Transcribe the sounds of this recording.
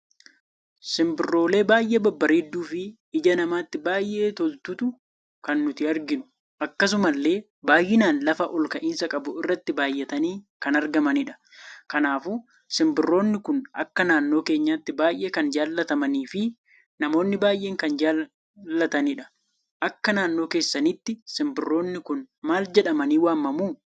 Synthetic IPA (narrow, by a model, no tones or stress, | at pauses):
sɪmbɪrːo̞ːle̞ːbaːjʔeːbɐbːɐɾeːd̪ːuːfɪ | ɪd͡ʒɐnɐmaːt̪ːɪbaːjʔe̞ːt̪ɔlt̪ʊt̪ʊ | kɐnːʊt̪ɪɐɾɡɪnʊ̥ | ʔɐkːɐs̬ʊmɐlːe̞ː | baːjːɪnaːnlɐfɐʔɔlkɐʔɪːnsɐkʼɐbʊɪrːɐt̪ːɪbaːjːɛt̪ɐniː | kɐnɐɾɡɐmɐnɪᶑɐ̥ | kɐnaːfuː | sɪmbɪrːo̞ːnːɪkʊnʔɐ̰kːɐnaːnːo̞ːke̞ːɲːaːt̪ːɪbaːjʔe̞ːkɐnd͡ʒaːlːɐt̪ɐmɐniːfɪ | nɐmo̞ːnːɪbaːjʔe̞ːŋkɐnd͡ʒaː | lːɐt̪ɐnɪᶑɐ̥ | ʔɐkːɐnaːnːo̞ːke̞ːsːɐnɪt̪ːɪsɪmbɪrːo̞ːnːɪkʊn | maːld͡ʒɛᶑɐmɐniːwaːmːɐmuː